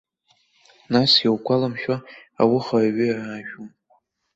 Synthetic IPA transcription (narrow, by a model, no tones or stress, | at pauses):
nasjawkʷalamʃᶣaa̰wɪχaɥɪaːʒᶣum